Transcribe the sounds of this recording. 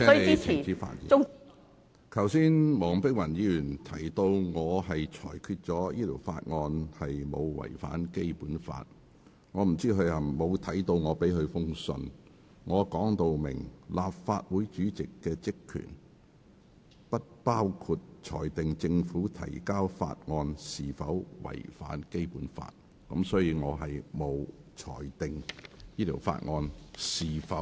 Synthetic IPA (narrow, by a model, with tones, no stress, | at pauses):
ɛ˥˨˥t͡siː˨˥fa̰ː˧t̚jḭː˨˥ | kʰɐ˨˩wsiː˥nmɔː˨˩ŋpɪ˥k̚wɐ˨˩njiː˨˧jyː˨˩nt̪ʰɐ˨˩jt̪o˧wŋɔː˨˧ɦɐ˨jt͡ʃʰɔː˨˩jkʰyː˧t̚t͡sɔː˨˥jiː˥t̪ʰo˨˩wfa̰ː˧t̚ŋɔː˧nhɐ˨jmo̰˨˧wwɐ̰˨˩jfa̰ː˨˥nke˥jpuː˨˥nfa̰ː˧t̚ | ŋɔː˨˧m̩˨˩t͡siː˥kʰɵ˨˧ɥhɐ˨˩mo˨˧wt̪ʰɐ˨˥jt̪o˧wŋɔː˨˧pe˨˥jhɵ˨˧fʊ˥ŋsɵ̰˧n | ŋɔː˨˧kɔː˨˥ŋt̪o˧wmɪ̰˨˩ŋlaː˨p̚faː˧t̚wuː˨˥jt͡ʃyː˨˥t͡sɪ˨kːɛː˧t͡sɪ˥kʰːy̰˨˩n | pɐ˥t̚paː˥wkʰuː˧t̚t͡ʃʰɔ̰ː˨˩jt̪ɪ˨ŋt͡sɪ˧ŋfuː˨˥t̪ʰɐ̰˨˩jkaː˥wfa̰ː˧t̚ŋɔː˧nsiː˨fɐ˨˥wwɐ̰˨˩jfa̰ː˨˥nke˥jpuː˨˥nfa̰ː˧t̚ | kɐ˨˥msɔː˨˥jiː˧ŋɔː˨˧ɦɐ˨jmo˨˧wt͡ʃʰɔ̰ː˨˩jt̪ɪ˨ŋjiː˥t̪ʰiː˨˩wfa̰ː˧t̚ŋɔː˧nsiː˨˩fɐ˨˥w